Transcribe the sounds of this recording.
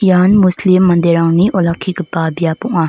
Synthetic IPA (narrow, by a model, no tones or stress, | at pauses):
janmuslimːɐnd̪eɾaŋniʔɔlakʰːiɡipabijapɔŋa